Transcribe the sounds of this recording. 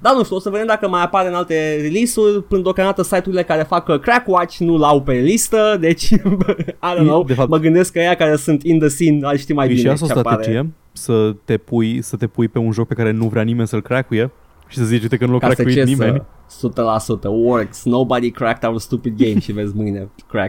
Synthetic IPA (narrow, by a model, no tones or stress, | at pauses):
d̪anuʃt̪uo̞səve̞d̪emd̪akəmajapaɾeɨnalt̪e̞ɾilisurʲpɨnəd̪okamd̪at̪əsajt̪uɾile̞kaɾe̞fakəkɾakwat͡ʃʲnulawpe̞list̪əd̪e̞t͡ʃʲ | ajd̪onowd̪efaməɡɨnd̪e̞skːəejakaɾe̞sunt̪ind̪əsinaʃt̪imajbineasoseat̪ɾapaeɾed͡ʒie | sət̪e̞pujsət̪e̞pujpe̞unʒok̚pe̞kaɾenuvɾʲanime̞nsəɨlkɾeakuje | ʃi̥səzit͡ʃut̪ekənuloakaɾek̪euit͡ʃenimesut̪əlasut̪əwərksnowbad̪ikɾæk̚t̪avəst̪upid̪̚ɡejmʃive̞zʲmɨjnekɾa̰k̪̚